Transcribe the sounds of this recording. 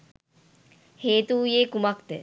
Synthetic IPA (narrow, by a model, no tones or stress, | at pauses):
heːt̪uːjeːkumɐkt̪e